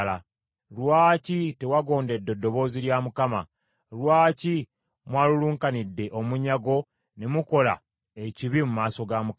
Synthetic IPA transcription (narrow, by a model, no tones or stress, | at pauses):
la | lwaːcite̞waɡo̞ːnde̞dːo̞dːo̞βo̞ːziljaːmukama̰ | lwaːci | mwaːluluːŋkanidːe̞ʔo̞muɲaɡo̞ | nemuko̞la̰ | e̞ciβimumaːso̞ɡamu